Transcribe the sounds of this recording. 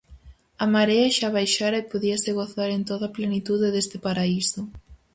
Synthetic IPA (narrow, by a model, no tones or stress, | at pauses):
amaɾeaʃaβajʃaɾɐepoðiɐsɪɣoθaɾent̪oðɐplenit̪uðeðest̪ɪpaɾaisʊ